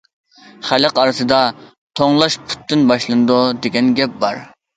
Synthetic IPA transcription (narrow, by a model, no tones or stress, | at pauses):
χæləqɑɾɨsɨd̪ɑ | t̪ʰoŋlˠɑʃpʰu̥t̪ːɪnbɑʃlˠɨnɨd̪ud̪eɡʲɛnɡʲɛp̚bɑɾ